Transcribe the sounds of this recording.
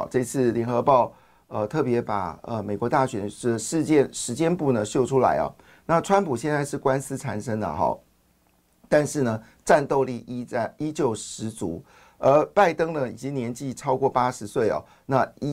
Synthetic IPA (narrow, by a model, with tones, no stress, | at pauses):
ʈ͡ʂɤ˥˧t͡sʰɹ̩˥˩ljɛ˧˥nxɤ˧˥pɑ˥˧ʊ | ə˧t̪ʰɤ˥˩pjɛ˧˥pa̰˨˩ə˧me˨˩ɪkwɔ˧˥t̪a˥˩ɕɥɛ˨˩n˥ə˧ʂɻ̩˥˧t͡ɕjɛ˥˧˨nʂɻ̩˧˥t͡ɕjɛ˥npu˥˩nə˩ɕjo˥˩ʊʈ͡ʂʰu˥la̰˧˥ɪɐ̰˨˩ | na˥˩˨ʈ͡ʂʰwa˥npʰu˨˩ɕjɛ˥˧nt͡sa˥˧ɪʂɻ̩˥˩kwa˥ns̩˥ʈ͡ʂʰa˨˩nʂɤ˥ŋd̪ə̰˨xɑ̰˨˩ | t̪a˥˧nʂɻ̩˥˩nə˩ | ʈ͡ʂa˥˧nt̪o˥˧ʊli˥˩ʔi˥˧i˥t͡ɕjo˥˩ʊʂɻ̩˧˥t͡su˧˥ | ə˞˧˥pa˥˩ɪt̪ɤ˥ŋnə˨i˨˩t͡ɕi˥ŋnjɛ˧˥nt͡ɕi˥˩ʈ͡ʂʰɑ˥ʊkwɔ˥˩pa˥ʂɻ̩˧˥swe˥˩ɪɑ̰˨˩ | na˥˧i˥